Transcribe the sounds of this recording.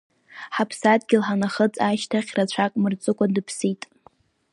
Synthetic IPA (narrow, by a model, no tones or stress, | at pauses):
ħapʰsadɡʲɪlħanaχət͡sʼaʃtʰaχʲrat͡ɕʷʰakʼmɨrt͡sʼɨkʷʼadɨpʰsitʼ